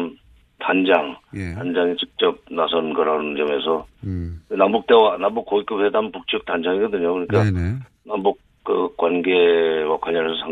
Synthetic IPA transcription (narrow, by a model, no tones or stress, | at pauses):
m | tand͡ʑaŋtand͡ʑaŋit͡ɕik̚t͡ɕ͈ʌp̚nasʰʌnnɡʌɾannd͡ʑʌme̞sʰʌ | nambuk̚t͈e̞wanambuk͈ːoik͈ɯp̚hedampuk̚t͡ɕ͈ʌk̚tand͡ʑaŋiɡʌdɯɲokɯɲik͈a | nambuk̚ | kɯk͈wanɡewakʰwaɲʌnesʰʌsʰa